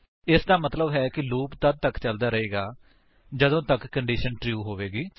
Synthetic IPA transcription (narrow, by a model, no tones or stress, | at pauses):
ɪsd̪aːmət̪ləbɦɛːkɪloːkt̪əd̪̚t̪əkt͡ʃəld̪aːɾəɦeːɡaː | d͡ʒəd̪õːt̪əkːəɳɖiːʃənʈɾjuːɦoːʋeːɡiː